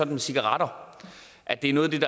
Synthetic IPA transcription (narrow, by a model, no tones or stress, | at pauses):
ɒ̥n̩mesiɡ̥ɑ̈ʁɑ̈dɾ̥ɐ | ʔæd̥e̝æɐnɔːð̩ˠd̥e̝d̥ɑ